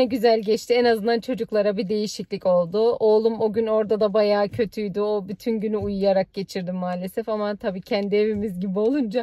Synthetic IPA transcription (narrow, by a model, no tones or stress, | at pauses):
ɛɟyzælʲɟɛt͡ʃt̪ʰiɛnazɯnd̪ant͡ʃʰo̞d͡ʒuklˠaɾabid̪e̞jiʃiclʲico̞lˠd̪ʊo̞lˠumo̞ɟyno̞ɾd̪ad̪abajaːcʰø̞t̪ʰyjd̪yobyt̪ʰynɟynyujujaɾak̚ɟe̞t͡ʃʰiɾd̪imːaːlʲe̞sɛfamat̪ʰabiːcʰænd̪ie̞vimizɟibio̞lˠund͡ʒa